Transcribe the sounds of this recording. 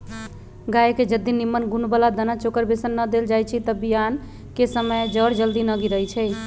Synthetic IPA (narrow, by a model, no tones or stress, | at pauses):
ɡaeked͡ʒəd̪ːinimːənɡunbəlad̪ənat͡ʃokəɾbesənːəd̪eld͡ʒajt͡ʃʰit̪əbijan | kesəməjd͡ʒəɽd͡ʒəld̪inəɡiɾəɦjt͡ʃʰɛ